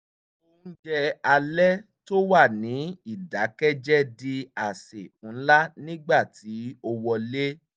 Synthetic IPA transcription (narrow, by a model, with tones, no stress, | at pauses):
o˧n̩˦d͡ʒɛ˧a˧lɛ˦ | to˦wa˦˨nĩ˨˦i˦˨da˨˦kɛ˦d͡ʒɛ˦di˧a˨se˨ũ˨˦la˦nĩ˦ɡ͡ba˦˨ti˨˦o˧wɔ˧le˦